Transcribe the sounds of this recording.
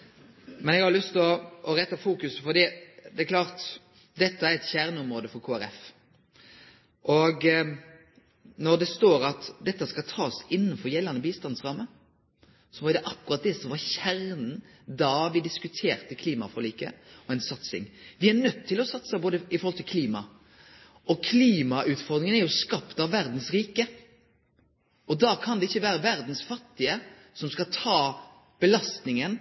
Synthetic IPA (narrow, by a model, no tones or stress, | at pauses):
mɛnɛɡhɑɾlʏst̪ɔɔɾɛt̪ːɑfuːkʉsfɔd̪iːd̪ɛækʰlɑːʁt̪ | d̪ɛt̪ːəæɾɛt̪çæʁnəɔmɾoːd̪əfɔɾkʰoːæɾɛf | ʔɔɡ | nɔd̪ɛst̪oːɾɑt̪d̪ɛt̪ːəskɑlt̪ʰɑːsɪnːnfɔɾjɛlːɑnəbiːst̪ɑnsʁɑːmə | sɔʋɑɾd̪ɛʔɑkːʉʁɑt̪̚d̪ɛːsɔʋɑɾçæɾnn̩ | d̪ɑʋɪd̪ɪskʉt̪ʰeːɾt̪əkʰliːmɑ̰fɔliːkə̰ɔɛnsɑt̪sɪ̰ŋʋɪæɾnœt̪ʰːɪlɔsɑt̪sɑboːd̪əɪfɔɾhɔlt̪ɪlkʰliːmɑ | ɔkʰliːmɑʉːt̪fɔɾd̪ɾɪŋənæɾjʊskɑpt̪ɑʋːæɾd̪n̩sɾiːkə | ɔd̪ɑkʰɑnd̪ɛɪçːəʋæːɾəʋæɾd̪n̩sfɑt̪ːɪə | sɔmskɑt̪ʰɑː | b̥əlɑst̪nɪŋən